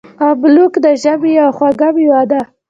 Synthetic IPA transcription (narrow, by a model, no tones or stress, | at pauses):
ablukd̪əʒabijawxwaɡabiwad̪a